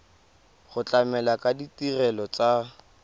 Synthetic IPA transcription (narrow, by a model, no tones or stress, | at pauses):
χʊt͡ɬʼamɛlakʼaditʼirɛlɔt͡sʼa